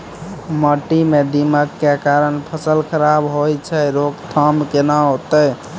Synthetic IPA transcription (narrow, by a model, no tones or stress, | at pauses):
məʈːimed̪iməkːekaɾənpʰəsəlkʰəɾabɦojt͡ʃʰɛɾokt̪ʰəmkenəɦot̪əj